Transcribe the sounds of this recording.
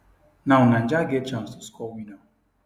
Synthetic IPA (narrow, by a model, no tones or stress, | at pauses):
nawnan̩d͡ʒaɡet͡ʃamsɪskɔwidɔ